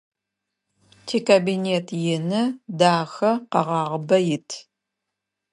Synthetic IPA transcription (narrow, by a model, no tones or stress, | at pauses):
tʰeːkʰabineːtʰjɪnɨdaːxɐqɐʁɑːʁəbɐjɪtʰ